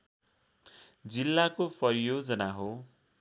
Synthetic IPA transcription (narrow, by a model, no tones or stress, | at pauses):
d͡zilːakopʌɾijod͡zʌnaɦo